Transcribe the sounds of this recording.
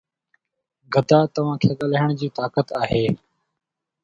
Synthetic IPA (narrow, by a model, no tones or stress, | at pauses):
ɡʱəd̪aːt̪əʋãːkʰeːɠəlaɦəɳ̃d͡ʑiːt̪aːkət̪aːɦeː